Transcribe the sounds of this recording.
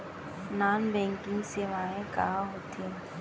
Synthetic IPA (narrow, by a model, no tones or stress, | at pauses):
naːnbɛ̃ːŋkɪ̃ŋɡseːʋaːẽkaɦaɦoːt̪ẽ